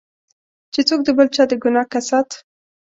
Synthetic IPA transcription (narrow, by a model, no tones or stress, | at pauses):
t͡ʃet͡sok̚d̪əbəlt͡ʃɑd̪əɡʊnɑkasɑt̪